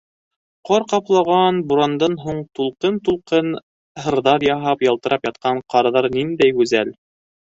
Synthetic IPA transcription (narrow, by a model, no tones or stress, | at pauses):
qɑɾqɑplˠɑʁɑnbuɾɑnd̪ɑnɦuɴt̪ulˠqɤnt̪ulˠqɤn | hɤ̆ɾðɑɾjɑɦɑpjɑlˠt̪ɤ̆ɾʔɑpjɑt̪̚qɑɴqɑɾðɑɾnind̪æjɡʉzæl